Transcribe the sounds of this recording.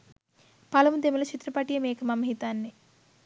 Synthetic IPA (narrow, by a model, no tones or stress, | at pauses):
pɐlɐmud̪emulɐt͡ʃʰit̪ɾɐpɐʈijɐmeːkɐmɐmɐɦit̪aːnːi